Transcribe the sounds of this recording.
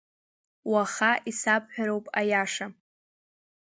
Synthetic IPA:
waχaʔisapʼħᶣaɾowpʼajaʂa

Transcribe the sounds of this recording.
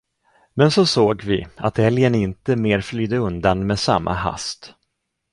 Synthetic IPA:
mɛnsɔsoːɡvɪ̰a̰t̪hɛljənɪnt̪əmeːɾflyːd̪əɵnd̪anmeːsamːʔa̰ha̰st̪

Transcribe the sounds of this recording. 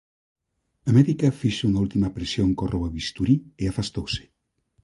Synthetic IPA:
ɐmɛðikɐfiʃuŋault̪imɐpɾesjoŋkɔrʔowaβist̪uɾieafast̪owse̥

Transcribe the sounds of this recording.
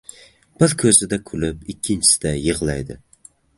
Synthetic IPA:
b̥ɪɾkʲʰɵzɪd̪ɛkʲʰʊlɪpikʲʰːint͡ʃʰɪ̥sɪ̥d̪ɛjɨʁlˠa̰jd̪ɪ̰

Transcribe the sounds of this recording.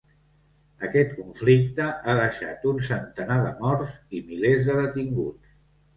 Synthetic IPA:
əkɛt̪̚kuɱflik̚t̪əʔaðəʃa̰t̪unsənt̪ənaðəmɔrzimilezðəðət̪iŋɡṵt͡s

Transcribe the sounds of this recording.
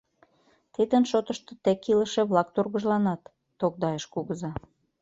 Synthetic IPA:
t̪id̪ənʃot̪əʃt̪ot̪ekiləʃĕβlɑk̚t̪orɣə̆ʒlɑnɑt̪ː | okd̪ɑjeʃkuɣəzɑ

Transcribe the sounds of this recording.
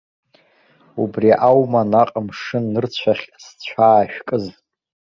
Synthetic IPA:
ubriʔawmanaqʼamʂɨnːɨrt͡ɕʷʰaχʲst͡ɕʷʰaːʃᶣkʼɨz

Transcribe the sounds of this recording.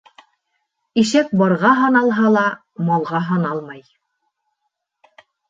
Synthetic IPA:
iʃæk̚bɑɾʁɑɦɑnɑlˠɦɑlˠɑ | mɑlˠʁɑɦɑnɑlˠmɑj

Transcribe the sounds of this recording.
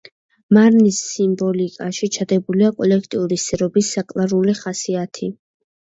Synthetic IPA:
maɾnisːimbɔlikʼaʃit͡ʃʰad̪ɛbuliakʼɔlɛkʰt̪ʼiuɾisɛɾɔbisːakʼlˠaɾuliχasiat̪ʰi

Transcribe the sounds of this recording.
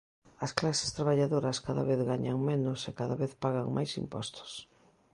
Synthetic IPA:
ɐsklase̥st̪ɾaβaʎaðoɾɐskaða̰βeθɣaɲaŋmenʊsekaðaβeθpaɣaŋmʔa̰jsḭmpɔ̰st̪ʊ̥s

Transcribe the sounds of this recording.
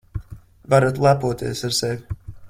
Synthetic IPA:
vaɾat̪lˠapuɔt̪iɛsaɾsɛvʲ

